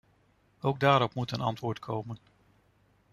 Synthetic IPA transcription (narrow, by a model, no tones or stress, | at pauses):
owɡ̚daːɾɔpmutənɑ̰ntʋʊːɹtkʰowmən